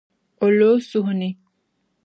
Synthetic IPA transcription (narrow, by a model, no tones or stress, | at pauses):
oloːsuɦuni